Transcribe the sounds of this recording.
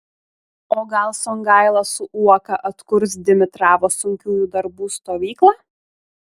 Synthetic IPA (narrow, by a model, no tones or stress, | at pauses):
oːɡɐlˠsɔŋɡɑɪlˠɐsʊʔuɔkɐʔɐt̪kʊɾs̬d̪ʲɪmʲɪt̪ɾɑːʋoːsʊŋʲkʲuːjuːd̪ɐɾbuːst̪oːʋʲiːklˠɑː